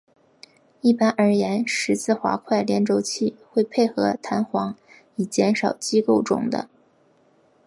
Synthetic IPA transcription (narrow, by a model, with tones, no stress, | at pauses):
i˥˩pa˥nʔə˞˧˥jɛ˧˥nʂɻ̩˧˥t͡sʰɹ̩˥˩xwa̰˧˥kʰwa˥˩ɪljɛ˧˥nʈ͡ʂo˧˥ʊt͡ɕʰi˥˧xwe˥˧ɪpʰe˥˧ɪxɤ˧˥t̪ʰa˧˥nxwɑ˧˥ŋ | i˨˩t͡ɕjɛ˧˥nʂɑ˨˩ʊt͡ɕi˥ko˥˩ʊʈ͡ʂʊ̰˨˩ŋd̪ə̰˦